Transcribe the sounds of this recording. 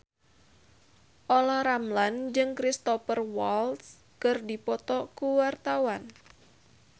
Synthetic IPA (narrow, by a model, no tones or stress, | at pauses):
ʔolahɾamland͡ʒɨŋkɾist̪ɔfərwaɔls | kɨrdipɔt̪ɔkuwart̪awan